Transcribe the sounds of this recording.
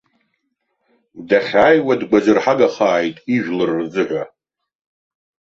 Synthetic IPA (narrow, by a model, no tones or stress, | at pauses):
daχʲaːjwadɡʷazɨrħaɡaχaːjtʼiʒʷᶣlɨrːzɨħʷa